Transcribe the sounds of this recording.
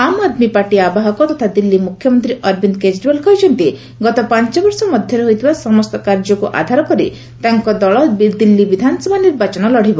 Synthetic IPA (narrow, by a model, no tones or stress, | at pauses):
amad̪mipaɾʈiabaɦɔkɔt̪ɔt̪ʰad̪ilːimukʰjɔmɔnt̪ɾiʔɔɾbind̪ked͡ʒɖibalkʰɔjt͡ʃʰɔnt̪i | ɡɔt̪ɔpaɲt͡ʃɔbɔɾsɔmɔd̪ʱjɔɾeɦojt̪ʰibasɔmɔst̪ɔkaɾd͡ʒɔkuʔa̰d̪ʱaɾɔkɔɾḭ | t̪aŋkɔd̪ɔɭɔbd̪ilːibid̪ʱanɔsɔbʱaniɾbat͡ʃɔnɔlɔɽ̤ibɔ